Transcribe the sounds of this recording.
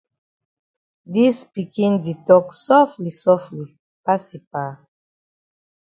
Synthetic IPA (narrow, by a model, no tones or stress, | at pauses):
dispikĩnditɔksɔflisɔfli | pasipa